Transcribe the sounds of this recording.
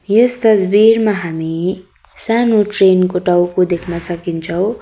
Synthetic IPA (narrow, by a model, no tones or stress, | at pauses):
jʌst̪ʌsbirmaɦami | sanoʈrenkoʈʌwkod̪ekʰnʌsʌkint͡sʰʌw̃